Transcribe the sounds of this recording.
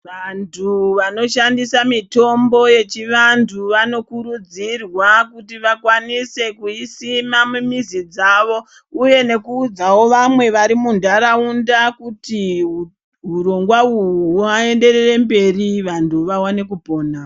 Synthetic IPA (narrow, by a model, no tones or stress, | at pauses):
ʋantʰuʋano̞ʃandisamito̞mbo̞je̞t͡ʃiʋantʰuʋano̞kuɾud͡zirwakutiʋakwanise̞kuisimamumizid͡zaːʋo̞ | uje̞ne̞kuːd͡zawo̞ʋamwe̞ʋaɾimundaɾaundakuti | ɦuɾo̞ŋɡwauuae̞nde̞ɾere̞mbe̞riʋantuʋawane̞kupo̞ːna